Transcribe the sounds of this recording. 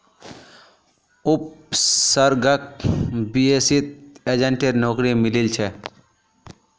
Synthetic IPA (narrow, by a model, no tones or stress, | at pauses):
ʊp̚səɾɡək̚biesit̪̚ed͡ʒəɳʈeɾnɔːkɾimɪlilt͡ʃʰɛ